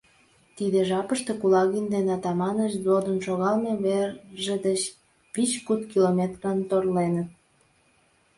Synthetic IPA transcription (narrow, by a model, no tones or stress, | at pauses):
t̪id̪eʒɑpəʃt̪e̽kulɑɣind̪enɑt̪ɑmɑnəʃzod̪ənʃoɣɑlmeβerʒed̪ət͡ɕ | it͡ɕkut̪kilomʲet̪rənt̪orlenət̪̚